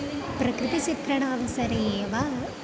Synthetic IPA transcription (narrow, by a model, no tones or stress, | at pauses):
pɾɐkɾɪt̪isip̪ɾɐɳaːʋɐsɐɾeeːʋaː